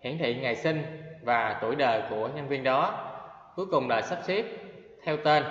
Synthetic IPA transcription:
hḭ˧˩ənt̪ʰḭ˧˨ŋa˨˩jsï˧ŋ̟vaː˨˩t̪o˧˩jɗəː˨˩jku˧˩əɲa˧nvi˧ənɗɔ˨˦ | ku˨˦jkʊ˨˩ŋ͡mla̰ː˧˨jsa˦˥p̚si˦˥p̚ | t̪ʰɛ˧wt̪e˧n

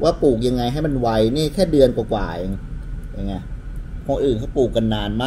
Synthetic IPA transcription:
wʔaː˥˩puː˨˩k̚ja˧ŋːa˧jɦa˥˩jma˧nwa˧jniː˥˩kʰɛː˥˩dɯ˧ənkwaː˨˩kwa̰ː˨˩ja˧ŋja˧ŋːa˧j | kʰo˧nʔɯː˨˩nkʰa˥˩puː˨˩kːa˧nːaː˧nmaː˥˩

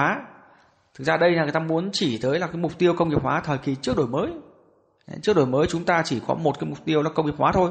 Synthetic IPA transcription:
aː˨˦ | t̪ʰɨ˨˩k̚zaː˧ɗə˧jn˨˩˨t̪aː˧mu˨˦ənt͡ɕi˧˩t̪əː˨˦jlaː˨˩kaː˨˦jm˨˩k͡p̚t̪i˧əwkə˧wŋ͡mŋi˨˩p̚hwaː˨˦t̪ʰəː˨˩jki˨˩t͡ɕɨ˦˥ək̚ɗo˧˨˩jməː˨˦j | t͡ɕɨ˦˥ək̚ɗo˨˩jməː˨˦jt͡ɕʊ˨˦ŋ͡mt̪aː˧t͡ɕi˧˩kɔ̰˨˦mo˨˩t̚kaː˨˦mʊ˨˩k͡p̚t̪i˧əwlaː˨˩kə˧wŋ͡mi˨˩p̚waː˨˦t̪ʰo˧j

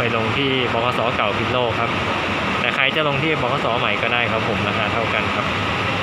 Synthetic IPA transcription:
jlo˧ŋt̪ʰiː˥˩bɔː˧˩kʰɔː˧˥sɔː˩˦˥ka˨˩wpʰi˦˥˩t̪̚loː˥˩kʰːa˦˥p̚ | t̪ɛː˨˩kʰa˧jt͡ɕa˨˩lo˧ŋt̪ʰiː˥˩bɔː˧˩kʰɔː˧sɔː˩˦ma˨˩˦jkɔː˥˩daː˥˩jkʰa˦˥pʰːo˩˦mla˧˦˥kʰaː˧˩t̪ʰa˥˩wka˧nkʰa˦˥p̚

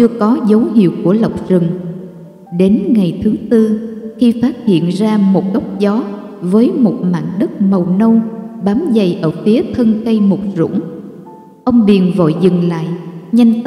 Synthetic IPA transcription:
t͡ɕɨ˧əkɔ˨˦zə˨˦wɦḭ˧˨əwku˧˩ələ˨˩wk͡p̚zɨ˨˩ŋ | ɗe˨˦nŋa˨˩jt̪ʰɨ˨˦t̪ɨ˧xi˧faː˦˥t̚hḭ˧˨ənzaː˧mo˨˩t̚ɗə˦˥wk͡p̚zɔ˨˦ | vəː˨˦jmo˨˩t̚ma̰ː˧˨nɗə˦˥t̚mə˨˩wnə˧wɓaː˨˦mzə˨˩jʔəː˧˩fi˨˦ət̪ʰə˧nkə˧jmo˨˩t̚zʊ̰˧˥ŋ͡m | ʔə˧wŋ͡mɓi˨˩ənvo̰˧˨jzɨ˨˩ŋla̰ː˧˨jɲa˧jŋ

